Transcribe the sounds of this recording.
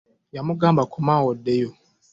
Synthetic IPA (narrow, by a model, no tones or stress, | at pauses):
jamʊɡãːmbakʰɔmawɔdːejo